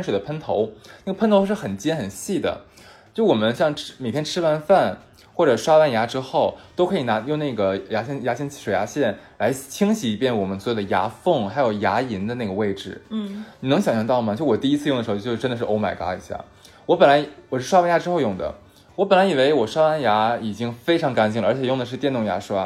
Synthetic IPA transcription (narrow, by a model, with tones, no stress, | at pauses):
ʂwd̪ə˦pʰə˥nt̪ʰo˧˥ʊna˥˩ɡə˩pʰə˥nt̪ʰo˧˥ʊʂ̬ɻ̩˥˩xə˨˩nt͡ɕjɛ˥nxə˨˩nɕi˥˩d̪ə̰˩ | t͡ɕo˥˩˥wɔ˨˩mə˦nɕjɑ˥˧ŋʈ͡ʂme˨˩ɪt̪ʰjɛ˥nʈ͡ʂʰɻ̩˥fa˥˧nfa˥˩n | xwɔ˥˩ʈ͡ʂɤ˨˩ʂwa˥wa˥˩nja˧˥ʈ͡ʂɻ̩˥xo˥˩ʊt̪o˥ʊkʰɤ˧˥i˨˩na˧˥jʊ˥˧ŋna˥˩ɡə˩ja˧˥ɕjɛ˥˩nja˧˥ɕjɛ˥˧n˥˩ʂwe˨˩ʊja˧˥ɕjɛ˥˩nla˧˥ɪt͡ɕʰi˥ŋt͡ɕʰi˧˥i˧˥pjɛ˥˩nwɔ˨˩mə˦nswo˨˩d̪ə˩˧ja̰˧˥fɤ˥˩ŋxa˧˥ɪjo˨˩ʊja˧˥i˧˥nd̪ə˧na˥˩ɡə˩we˥˧ɪʈ͡ʂɻ̩˩ni˨nɤ˧˥ŋɕjɑ˨˩ŋɕjɑ˧˩ŋt̪ɑ˥˩ʊmɐ˨˩t͡ɕjɔ˨˩t̪i˥˧i˥t͡sʰɹ̩˥˧jŋdə˩ʂt͡ɕjo˥˧ʊ˥ʈ͡ʂə˥nd̪ə˨ʂɻ̩˥˩ʔo˧˥ma˨˩ɪka̰˧˥ḭ˨˧˥ɕja̰˥˩ | wɔ˧˥pə˨˩nla˧˥ɪwɔ˨˩ʂɻ̩˥˩ʂwa˥a˥˩nja˧˥ʈ͡ʂɻ̩˥xo˥˧jʊ˥˩ŋd̪ə̰˩ | wɔ˧˥pə˨˩nla˧˥i˨˩we˧˥ɪwɔ˨˩ʂwa˥wa˥˩nja˧˥i˨˩t͡ɕi˥ŋfe˥ɪʈ͡ʂʰɑ˧˥ŋka˧˥nt͡ɕ̬i˥˩lə˩ə˞˧˥t͡ɕʰɛ˨˩jʊ˥˩d̪ə˩ʂ̬ɻ̩˥˧t̪jɛ˥˧nt̪ʊ˥˩ŋja̰˧˥ʂwa˥